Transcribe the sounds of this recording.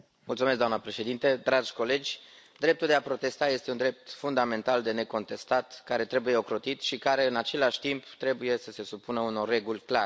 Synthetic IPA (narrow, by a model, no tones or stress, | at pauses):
mult̪sumesɡd̪oamnəpɾe̞ʃe̞d̪int̪ed̪ɾad͡ʒʲko̞le̞d͡ʒʲ | d̪ɾe̞p̚t̪uld̪eapɾo̞t̪e̞st̪aje̞st̪eund̪ɾe̞p̚t̪fund̪ame̞nt̪ald̪e̞ne̞ko̞nt̪e̞st̪at̪kaɾe̞t̪ɾe̞buje̞o̞kɾo̞t̪it̪ʃikaɾe̞ɨnat͡ʃe̞laʃʲt̪impt̪ɾe̞buje̞səse̞supunəuno̞rːe̞ɡulʲkla